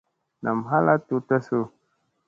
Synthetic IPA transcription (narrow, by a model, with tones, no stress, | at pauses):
na˨mɦa˦la˦tu˦tə˦so˦˨